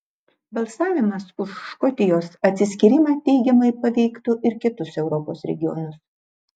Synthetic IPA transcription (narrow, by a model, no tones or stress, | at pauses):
bɐlˠsɑːʋʲɪmɐsʊʃːkɔt̪ʲɪjoːsɐt̪ʲsʲɪsʲkʲɪɾʲɪmɑːt̪ʲɛɪɡʲɛmɐɪpɐʋʲɛɪkt̪ʊʔɪɾkʲɪt̪ʊsɛʊɾɔpoːsɾʲɛ̰ɡʲɪjo̰nʊs